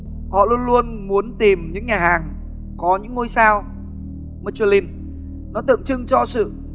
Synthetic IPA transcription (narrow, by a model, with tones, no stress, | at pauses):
hɔ̰˧˨lu˧ənlu˧ənmu˨˦ənt̪i˨˩mɲɨ̰˧˥ŋɲaː˨˩haː˨˩ŋ | kɔ˨˦ɲɨ̰˧˥ŋːo˧jsaː˧w | mə˧˨˧t͡ɕwli˧˩n | nɔ˨˦t̪ɨ̰˧˨əmt͡ɕɨ˧ŋt͡ɕɔ˧sɨ̰˧˨